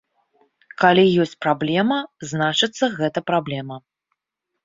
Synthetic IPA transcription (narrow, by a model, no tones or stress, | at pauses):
kalʲijɔsʲt͡sʲpɾablʲɛmɐznat͡ʂɨt̪sːɐɣɛt̪ɐpɾablʲɛmɐ